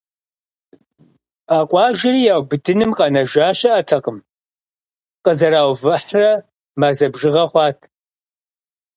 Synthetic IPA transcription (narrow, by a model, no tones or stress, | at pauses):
aːqʷʼɑːʒɪriːjaːwbɨdɨnɨmqʼɑnɐʒaːɕɐʔɐtʰɐqəm | qʼəzɐɾaːwvɨħrɐ | maːzɐbʒɪʁɐχʷɑːtʰ